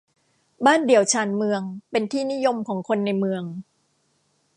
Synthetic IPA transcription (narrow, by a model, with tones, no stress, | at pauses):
baː˥˩ndi˩˦əwt͡ɕʰaː˧˩nmɯ˧əŋpe˧nt̪ʰiː˥˩ni˦˥jo˧mkʰɔː˩˦ŋkʰo˧nːa˧jmɯ˧əŋ